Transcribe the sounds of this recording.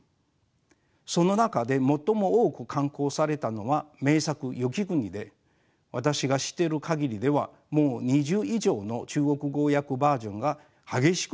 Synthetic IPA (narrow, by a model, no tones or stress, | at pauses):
so̞no̞nakad̪e̞mo̞t̪ːo̞mo̞oːkɯ̟kʰãŋko̞ːsaɾe̞t̪ano̞βame̞ːsakɯ̟jo̞kʲiɡɯ̟ɲ̟id̪e̞ | βat̪aɕiɡaɕi̥t̪ːe̞ɾɯ̟kʰaɡʲiɾʲid̪e̞βa | mo̞ːɲ̟iʑɨːiʑo̞ːno̞t͡ɕɨːɡo̞kɯ̟ɡo̞ːjakɯ̟baːʑõ̞ŋɡa | haɡe̞ɕi̥k